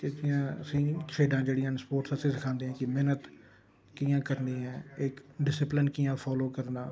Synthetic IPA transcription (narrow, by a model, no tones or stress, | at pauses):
ked͡ʒɪãːəsĩːt͡ʃʰeːɖãːd͡ʒeːɽiãːspoːɾʈsəsĩːsɪkʰãːnd̪eːãːkɪmɪnət̪ | kijãːkəɾniːɦɛ̃ːɪkɖɪsɪplɪnkiːãːpʰɔːloːkəɾnaː